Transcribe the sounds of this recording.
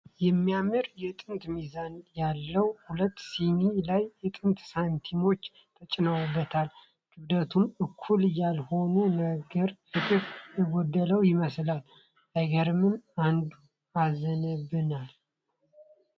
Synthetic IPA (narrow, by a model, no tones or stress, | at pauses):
jɛmːijamɨɾjɛt̪ʼɨnt̪mizanjalːəwhulət̪ːsinilajːɛt̪ʼɨnt̪sant̪ʰimo̞t͡ʃː | t̪ʰət͡ʃʼɪnawubːət̪ʰal | ɡ̥ɨβd̪ət̪ʰumɨkʰːuljalho̞nunəɡəɾfɨt̪ʼɨkjɨɡɔd̪ːələwjɪməslal | ʔəɡəɾɨmɨnand̪u | azənəβɨnal